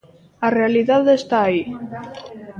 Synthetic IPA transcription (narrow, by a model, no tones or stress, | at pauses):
arealiðaðest̪aːi